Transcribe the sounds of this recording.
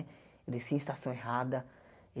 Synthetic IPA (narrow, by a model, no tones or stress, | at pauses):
d̪esĩst̪asɐ̃w̃eɦad̪ɐ